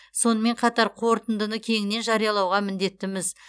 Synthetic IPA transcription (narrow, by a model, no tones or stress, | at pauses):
so̞nəme̞ɴqʰɑt̪ɑɾqʰo̞ɾt̪ənd̪ənəkʲʰe̞ŋɪne̞nʒɑɾijɑlˠɑwʁɑmɪnd̪e̞t̪ːɪmɪz